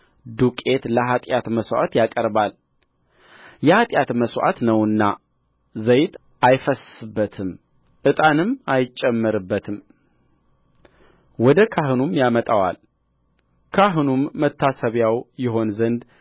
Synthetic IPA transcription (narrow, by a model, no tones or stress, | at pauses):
d̪ukʼe̞t̪ləɦat̪ʼjat̪məswa̰t̪jakʼəɾbal | jɛhat̪ʼjat̪məswʔa̰t̪nəwɨnːa | zəjt̪ | ʔajfəsɨbːət̪ʰɨm | ʔɨt̪ʼanɨmajt͡ʃʼːɛmːɨɾɨbːət̪ʰɨm | wɔd̪əkʰaɦɨnumjamət̪ʼawa̰l | kʰaɦɨnumːət̪ʰːasəβjawjɪɦo̞nzənd̪